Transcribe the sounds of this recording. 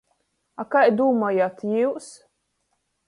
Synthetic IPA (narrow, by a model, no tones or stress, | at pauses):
akajd̪uːmajat̪jiws